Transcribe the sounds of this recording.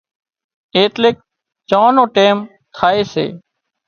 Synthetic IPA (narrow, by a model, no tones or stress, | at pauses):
eːt̪leːk̚ | t͡ʃãːnõːʈeːm | t̪ʰaːeːsḛː